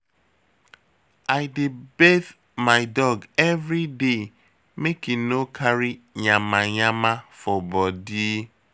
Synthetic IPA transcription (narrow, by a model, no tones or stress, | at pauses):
aɪdɪbeθ | maɪdɔɡɛvɾide | mekɪnokʰaɾi | ɲamaɲamafɔbɔdi